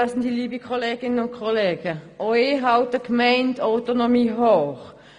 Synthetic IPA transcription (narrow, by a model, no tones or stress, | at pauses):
snd̥iliːbəkʰɔleːɡɪnənʊnkʰoleːɡ̥əʔɔɦaʊtəkmaɪndaʊtonomiːɦoːχ